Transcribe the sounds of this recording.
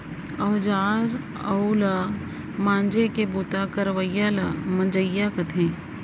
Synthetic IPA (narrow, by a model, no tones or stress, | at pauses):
ɔːɦd͡ʒaːɾ | ɐula | mãːnd͡ʒekebuːt̪akɐɾʋəjːalamɐ̃d͡ʒəjːakɐt̪ʰẽː